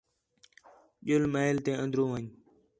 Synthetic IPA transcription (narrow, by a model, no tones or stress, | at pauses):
ɓjʊlmaːɪlt̪eːə̃nd̪ɾõːʋəɲ